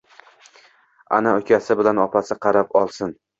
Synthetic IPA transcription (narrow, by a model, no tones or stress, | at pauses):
a̰naʊkʲʰasɪbɪlanɒpʰasɪqʰɑɾap̚ɒlˠsɪn